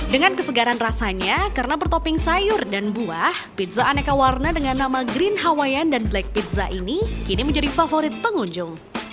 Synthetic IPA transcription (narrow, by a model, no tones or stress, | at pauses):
dəŋankəsəɡaɾanrasaɲakaɾənabərt̪opɪŋsajʊrdanbuahpit̪̚zaːnakawarnadəŋanːamaɡɾɪnɦawajandanblak̚pit̪̚zaʔinikiniməɲd͡ʒadifafoɾɪt̪̚pəŋuɲd͡ʒʊŋ